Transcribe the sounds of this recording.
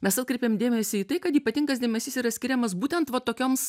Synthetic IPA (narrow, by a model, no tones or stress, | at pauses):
mʲɛsɐt̪̚kɾʲɛɪpʲeːmd̪ʲeːmʲɛsʲɪiːt̪ɐɪkɐt̪iːpɐt̪ʲɪŋɡɐsd̪ʲeːmʲɛsʲiːsiːɾɐsʲkʲɪɾʲɛmɐsbuːt̪ʲɛnt̪ʋɐt̪oːkʲoːms